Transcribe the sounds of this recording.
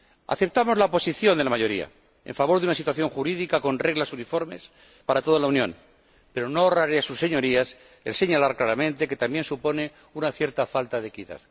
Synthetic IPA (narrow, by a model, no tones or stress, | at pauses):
a̰θe̞p̚t̪amo̞zlaopo̞siθjo̞nd̪elamaʝo̞ɾia̰ | e̞̰ɱfaβo̞ɾðunasit̪waθjo̞ŋxuɾiðikako̞nre̞ɣlasunifo̞ɾme̞s | paɾat̪o̞ð̞alaunjõ̞n | pe̞ɾo̞no̞oraɾeasusːe̞ɲo̞ɾias | e̞̰lse̞ɲalaɾklaɾamẽ̞nt̪e̞ke̞t̪ambje̞nsupo̞ne̞ | unaθjeɾt̪afalt̪aðekiða̰ð